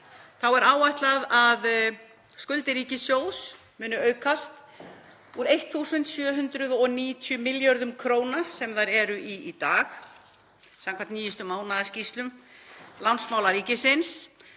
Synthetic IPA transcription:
θawɛɾaːwajht̪laðað | skʏlt̪ɪɾiːcɪsjoːws | mʏːnʏœːɥkʰast̪ | uɾejht̪θusʏnt̪sjœːɦʏnt̪ɾʏðɔniːt̪ʰjʏmɪljɔɾðʏmkʰɾoːwnasɛmðaɾɛɾʏʔiit̪aːx | samkʰvant̪niːjʏst̪ʏmaːwnaðascist̪lʏmlansmaːwlaɾiːcɪsɪns

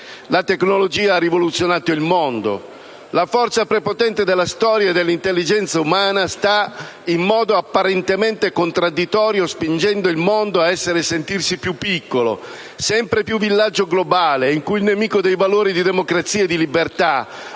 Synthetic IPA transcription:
lat̪eknolod͡ʒiːaarːivolut̪sːjonaːt̪oilmond̪o̰ | lafɔrt̪sapɾepot̪ɛnt̪ed̪elːast̪ɔːɾjaed̪ːelːint̪elːid͡ʒɛnt̪saumaːnast̪a | imːɔːd̪oapːaɾent̪ement̪ekont̪ɾad̪it̪ɔːɾjospind͡ʒɛnd̪oilmond̪oaɛsːeɾesent̪irsipjupːikːolo̰ | sɛmpɾepjuvːilːad͡ʒːoɡlobaːleiŋkujilnemiːkod̪ejvaloːɾid̪id̪emokɾat̪sːiːaed̪ilibert̪a

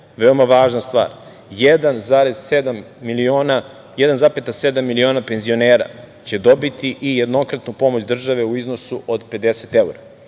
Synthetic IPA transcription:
ʋeo̞maʋaːʒnast̪ʋa̰ːɾ | jed̪anzaɾez̥ed̪am | iiona | jed̪anzapet̪ase̞d̪amːilio̞ːnapenzio̞neːɾa̰ | t͡ɕe̞d̪o̞bit̪iʔije̞d̪no̞kɾat̪nupo̞mo̞t͡ɕd̪r̩ʒaʋe̞uizno̞suʔod̪pe̞d̪e̞set̪euɾa

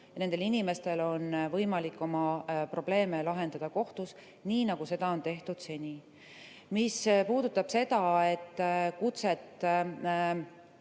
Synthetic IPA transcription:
ne̞nd̪̥e̞linime̞st̪e̞lo̞nvɤjmɑlikːˑo̞mɑpro̞b̥le̞ːmelɑɦe̞nd̪ɑd̪̥ɑko̞ht̪us | niːnɑɡ̥use̞d̪̥ɑo̞nt̪e̞ht̪ud̪̥se̞nʲi | mispuːd̪̥ut̪ːˑɑb̥se̞d̪̥ɑe̞t̪ːkut̪set̪ːˑ

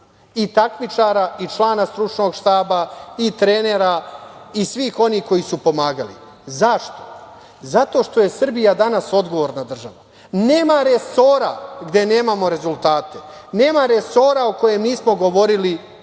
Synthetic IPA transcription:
it̪akmit͡ʃaɾait͡ʃlˠaːnast̪ɾut͡ʃno̞ɡʃt̪aːbait̪ɾene̞ɾaisʋiːxo̞niːhko̞jisupo̞maːɡalḭ | zaʃt̪o̞ | zat̪o̞ːʃt̪o̞jesr̩bijad̪anaso̞d̪ɡo̞ʋo̞ɾnad̪r̩ʒaʋa | ne̞ːmaɾe̞so̞ːɾa̰ɡd̪e̞ne̞ːmamo̞ɾe̞zulˠt̪aːt̪e̞ne̞ːmaɾe̞so̞ːɾaoko̞je̞mniːsmo̞ɡo̞ʋo̞ɾili

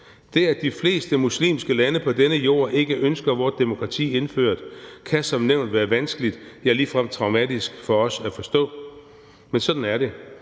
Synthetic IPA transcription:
d̥e̝æd̥ifle̝̰ːsd̥əmuslḭːmsɡ̥əlænəpʰɒ̽d̥enəjo̝̰ːɐ̰ʔe̝ɡ̥əʔønsɡ̥ɐʋɒːd̥e̝mo̝kʰʁɑ̈t͡sʰḭːe̝nfø̰ɐ̰d̥kʰæsɒ̽mneʊnd̥ʋæːɐʋænsɡ̥əlid̥jæɐliːfʁam̰t͡sʰʁɑ̈ʊmæd̥isɡ̥fɒ̽ɒ̽sæfɒ̽sd̥ɔ̰̽ː | mensɒ̽d̥n̩æɐɾe̝

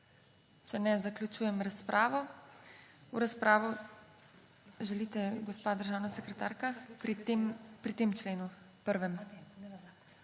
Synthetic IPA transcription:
t͡ʃɛnɛzaklʲut͡ʃuːjɛmɾaspɾʔaːʋɔ | uɾaspɾaːʋɔ | ʒɛliːt̪ɛɡɔspaːd̪əɾʒaːwnasɛkɾɛt̪a̰ːɾkampɾit̪eːmt͡ʃleːnu | pəɾʋɛm

